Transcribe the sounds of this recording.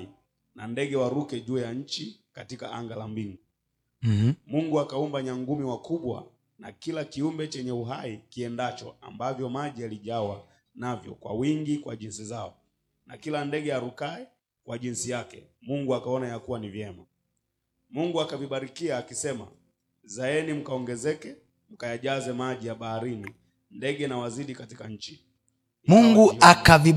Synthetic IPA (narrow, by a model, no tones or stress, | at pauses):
i | nandɛɡɛwaɾukɛʄuːjaɲ̩t͡ʃikatikaa̰ŋɡalambiŋɡu | muŋɡuakaumbaɲaŋɡumiwakuɓwa̰ | nakilakiumbɛt͡ʃɛɲɛuɦaikiɛndat͡ʃɔ̰a̰mbavjɔmaʄialiʄawa | navjɔ̰kwa̰wiŋɡikwaʄinsizaɔ | nakilandɛɠɛaɾukaɛ | kwaʄinsijakɛ̰muŋɡuakaɔnajakuwanivjɛma | muŋɡuakaviɓaɾikiaːkisɛma̰ | zaɛnim̩kaɔŋɡɛzɛkɛ | m̩kajaʄazɛmaʄijaɓahaɾini | ndɛɡɛnawaziɗikatikaɲ̩t͡ʃi | muŋɡɡuakavi